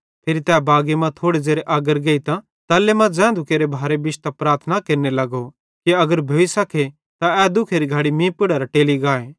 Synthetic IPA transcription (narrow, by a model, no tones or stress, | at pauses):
p̪ʰeːɾit̪ɛːbaːɡemãt̪ʰoːɽed͡ʒeːɾeʔaːɡəɾɡeːit̪ã | t̪ɐːlːemãd͡ʒɛ̃ːd̪ʱʊkeːɾebʱaːɾebɪt͡ʃt̪ɐpɾaːɾt̪ʰnakeːɾnelɐɡo | kiɐɡəɾbʱoːisɐkʰe | t̪aɛːd̪ʊkʰeːɾiɡʱaːɽimĩːpɪɽəɾaʈeːliɡaːeː